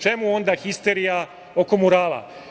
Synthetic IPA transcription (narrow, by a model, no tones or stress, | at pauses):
t͡ʃe̞muo̞nd̪axist̪eɾija | o̞ko̞muɾaːla̰